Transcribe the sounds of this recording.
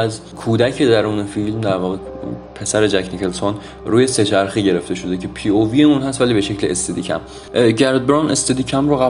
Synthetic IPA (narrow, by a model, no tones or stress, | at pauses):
æz | kʰuːd̪ækʰed̪æɾuːnefilmd̪æɾvɒːɣepʰe̞sæɾed͡ʒækʰnikelson | ɾuːje̞se̞t͡ʃʰæɾxiɟe̞ɾe̞ft̪e̞ʃod̪ecʰe̞pʰiːovijeuːnɦæst̪væliːbeʃe̞cleest̪ed̪iːcʰæ̰m | ɟæɾd̪̚bɾɑnest̪ed̪iːcʰæmɾoɣæ